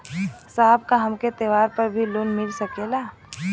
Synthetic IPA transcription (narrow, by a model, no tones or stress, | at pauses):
saːb̚kaɦɐmket̪eːʋaːɾpəɾbʱiloːnmɪlsəkelaː